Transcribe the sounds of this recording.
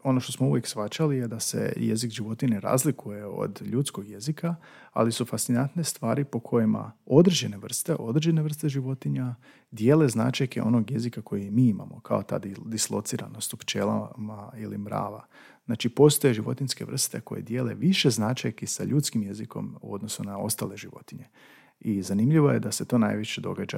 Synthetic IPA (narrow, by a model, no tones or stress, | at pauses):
o̞no̞ʃt̪osmouʋje̞ksʋat͡ʃalijed̪ase̞̰je̞̰zikʒiʋo̞t̪ineɾa̰ːzlikʰuje̞o̞̰d̪ʎut̪sko̞ɡje̞zikʰa | a̰lisufast̪inant̪ne̞st̪ʋaːɾipo̞kʰo̞jima̰o̞d̪ɾed͡ʑe̞ne̞ʋr̩st̪e̞ʔo̞d̪ɾ̩d͡ʒeneʋr̩st̪e̞ʒiʋo̞t̪iɲa | d̪je̞ːle̞znat͡ʃajkeo̞no̞ɡje̞zikako̞jimiːima̰mo̞kʰa̰o̞t̪a̰d̪id̪islˠo̞t̪siɾa̰nost̪opt͡ʃe̞ːlˠa̰mailimɾa̰ːʋa̰ | znaːt͡ʃipo̞ːst̪ojeʒiʋo̞̰t̪inʲske̞̰ʋr̩st̪eko̞jḛd̪je̞ːle̞̰ʋiʃeznat͡ʃajkesa̰ʎuːt̪skimjeziko̞̰mṵo̞d̪no̞sunao̞̰st̪ale̞ʒiʋo̞̰t̪iɲe̞ | izanimʎiʋo̞je̞d̪ase̞t̪o̞ːna̰ːjʋiʃed̪o̞̰ɡad͡ʒa̰